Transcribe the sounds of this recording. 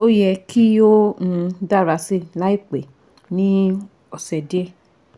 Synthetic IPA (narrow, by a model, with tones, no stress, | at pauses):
o˦jɛ˧ki˦o˦ũ˧da˦˨ɾa˨˧se˦˨la˨˦i˦˨k͡pe˨ | nĩ˦ | ɔ˨sɛ˨de˦